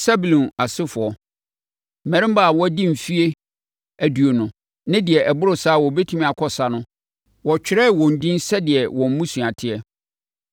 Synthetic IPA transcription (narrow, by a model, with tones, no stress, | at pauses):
sa˦bu˨lɔ̃˨na˨sɪ˦fʊ˨ɔ˨ | m̩˨mɛ̃˨ɾɪ̃˦m˦ba˦˨wɔ˦æ˦dĩ˦m̩˨fi˦e˦ | æ˨du˨o˨nʊ̃˨ | nɪ̃˦dɪ˨ɛ˨ʔɛ˨bʊ˦ɾʊ˨saː˦wɔ˨bɛ˦tʰũ˦mĩ˦a˨kʰɔ˨sa˦nʊ̃˦ | wɔ˨t͡ɕᶣɪ˨ɾɛ˦˨wɔ̃˨n̩˨dĩ˦n˦sɛ˦dɪ˨ɛ˨wɔ̃˨m̩˦mũ˦su˨a˨tʰɪ˦ɛ˦